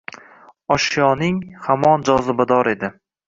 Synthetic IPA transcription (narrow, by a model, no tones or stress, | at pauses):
ɒʃjɒnɪŋhamɒnd͡ʒɒzɪbad̪ɒɾe̞d̪ɪ